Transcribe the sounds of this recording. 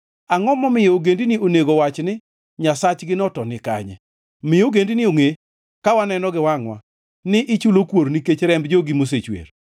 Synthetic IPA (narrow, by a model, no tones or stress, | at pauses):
aŋɔmɔmɪjoɡendinioneɡowat͡ʃnɪ | ɲasat͡ʃɡɪnɔtɔnɪka̰ɲɛ̰ | mɪjoɡendinɪoŋe | kawanɛnɔɡɪwaŋwa̰ | nɪʔɪt͡ʃulokwoɾniket͡ʃɾɛmbd͡ʒoɡimos̬et͡ʃwḛɾ